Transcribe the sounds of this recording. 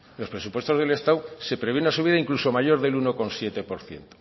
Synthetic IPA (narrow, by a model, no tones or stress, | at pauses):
lo̞spɾe̞supwe̞st̪oðe̞le̞st̪awse̞pɾeβe̞unasuβ̞iðaiŋkluso̞maʝo̞ɾðe̞luno̞ko̞nsje̞t̪e̞po̞ɾθje̞̰nt̪o̥